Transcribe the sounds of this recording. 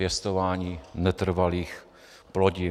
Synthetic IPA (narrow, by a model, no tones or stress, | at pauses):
ɛst̪ovaːɲiːnɛt̪r̩valiːx | ploɟi